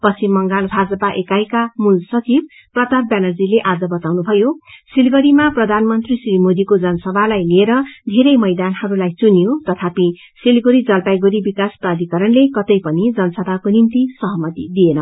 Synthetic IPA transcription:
pʌsimːʌŋɡalbʱad͡zʌpaʔekajkamulsʌt͡sib | prʌt̪at̪̚bjanʌrd͡zileʔad͡zʌbʌt̪awnubʱʌjosilɡʌɾimaprʌd̪ʱanmʌnt̪risrimod̪ikod͡zʌnʌsʌbʱalajlieɾʌd̪ʱeɾʌjmʌjd̪anhʌɾulajt͡sunijot̪ʌt̪ʰapi | silɡuɾid͡zʌlpajɡuɾibikasprad̪ʱikʌɾʌnlekʌt̪ʌjpʌnid͡zʌnʌsʌbʱakonimt̪isʌɦʌmʌt̪ḭd̪ienʌ

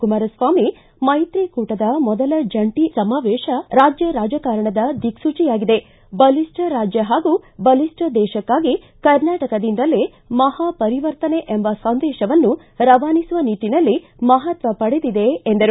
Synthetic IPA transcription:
kumaːɾɐsʋaːmi | mɐjt̪ɾiːkuːʈɐd̪ɐmɔd̪ɐlɐd͡ʒɐɳʈisɐmaːʋɛːʃɐɾaːd͡ʒjɐɾaːd͡ʒɐkaːɾɐɳɐd̪ɐd̪iksut͡ʃijaːɡid̪e̞ | bɐlisʈɐɾaːd͡ʒjɐɦaːɡubɐlisʈɐd̪ɛːʃɐkːaːɡi | kɐɾnaːʈɐkɐd̪ind̪ɐlːi | mɐhaːpɐɾiʋɐɾt̪ɐneʔembɐsɐnd̪ɛːʃɐʋɐnːu | ɾɐʋaːnisuʋɐniːʈːinɐlːi | mɐɦɐt̪ʋɐpɐɽed̪id̪e̞ːnd̪ɐɾu

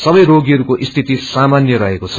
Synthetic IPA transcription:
sʌbʌjɾoɡiɦʌɾukoʔist̪ʰit̪isamanjʌɾʌɦekot͡sʰʌ̥

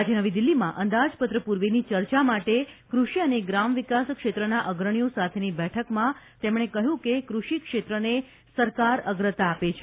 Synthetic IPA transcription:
ad͡ʒenəʋid̪ilːimã̰ʔənd̪ad͡ʒpət̪ɾəpuɾʋenit͡ʃəɾt͡ʃamaʈekɾuʃiəneɡɾamʋikaskʃet̪ɾənaʔəɡɾəɳ̃ijosat̪ʰenibɛʈʰəkmãt̪emɽ̃ekəɦjũkekɾuʃikʃet̪ɾəne | səɾkaɾəɡɾət̪aːpet͡ʃʰe

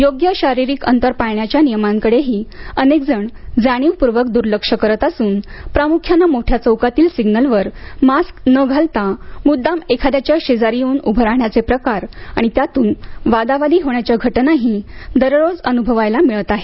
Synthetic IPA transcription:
joɡjəɕaɾiɾiːkə̰nt̪əɾpajɳjat͡ɕjanijəmaŋkəɽeɦiːənek̚d͡zəɳd͡zaɽ̃iʋpuɾʋək̚d̪uɾləkʂəkəɾət̪asuːnpɾamukʰjanːamoʈʰjat͡səwkat̪iːlsiɡnəlʋəɾmasknəɡʱalt̪amud̪ːamekʰad̪jat͡ɕjaɕed͡zaɾiuːnubʱəɾaɳjat͡sepɾəkaɾa̰ɽ̃it̪jat̪uːnʋad̪aʋad̪iːɦoɳjat͡ɕjaɡʱəʈnaɦid̪əɾɾod͡zənubʱəʋajlamiɭət̪aɦe

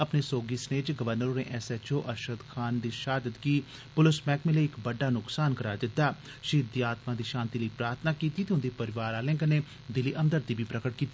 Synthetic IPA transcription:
əpneːsoːɡiːsneːd͡ʒɡəʋəɾnəɾoːnḛːʔɛːsɛt͡ʃoːʔəɾʃəd̪kʰaːnd̪iːʃaːd̪əd̪kiː | pʊlɪsmɛːkmẽːleɪkbəɖːaːnʊksaːnkəɾaːd̪ɪt̪ːaː | ʃiːd̪iːaːt̪maːd̪iːʃãːnt̪iːləiːpɾaːɾt̪ʰnaːkiːt̪iːt̪eːɦʊnd̪iːpəɾɪʋaːɾaːlɪ̃ŋɡəneː | d̪ɪlːiːʔəmd̪əɾiːbʱiːpɾəkəʈ̚kiːt̪ːiː

